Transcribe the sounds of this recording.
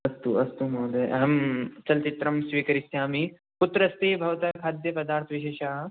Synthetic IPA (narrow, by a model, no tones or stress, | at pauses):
ɐst̪uɐst̪umɐːd̪eʔɐɦɐmt͡ʃɐlt͡ʃit̪ɾɐmsʋiːkɐɾisjaːmi | put̪ɾɐst̪eːbʱɐʋɐt̪ɐkʰaːd̪jɐpɐd̪aːɾt̪ʰɐʋiʃ̬eːʃaːɦɐ